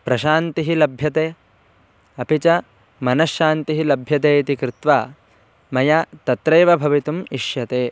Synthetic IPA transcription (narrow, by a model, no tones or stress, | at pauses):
pɾɐʃaːnt̪iɦilɐbʱjɐt̪eː | ɐpit͡ʃɐ | mɐnɐʃːaːnt̪iɦilɐbʱjɐt̪eːt̪ikɾɪt̪ʋaː | mɐjɐt̪ɐt̪ɾeːʋɐbʱɐʋit̪umiʃjɐt̪eː